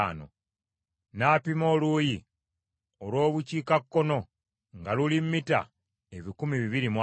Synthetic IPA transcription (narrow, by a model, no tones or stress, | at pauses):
no̰ | naːpimo̞ːluːji | olwo̞ːβuciːkakːo̞no̞ | ŋɡalulimːita̰ | eβikumiβiβiɾimwa